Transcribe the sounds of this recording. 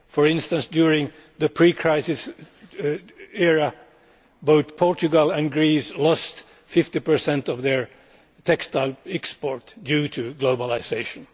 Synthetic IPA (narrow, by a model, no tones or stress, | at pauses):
fəɹɪ̃nstə̃nsdjʊɹɪ̃ŋ | ðəpʰɹ̥ikʰɹ̥aɪsɪs | ɛɹə | boʊθpʰɔɹt͡ʃɨɡəlˠæ̃nɡɹislɔst | fɪftipə˞sɛ̃ntʌvðə˞ | tʰɛkstaɪlˠɛkspɔɹtd̥jʉɾʰɨɡloʊbəlˠɪseɪʃɨ̃n